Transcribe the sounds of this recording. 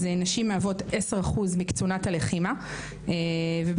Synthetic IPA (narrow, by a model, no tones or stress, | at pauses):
zenaʃimeavo̞teseʁaχuzmikt͡sunathaleχima | eveb